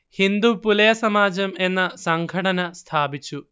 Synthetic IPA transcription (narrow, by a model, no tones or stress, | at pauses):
hind̪upulɐjɐsɐmaːd͡ʑɐme̞nːɐsɐŋɡʱɐʈɐnɐst̪ʰaːbit͡ɕːu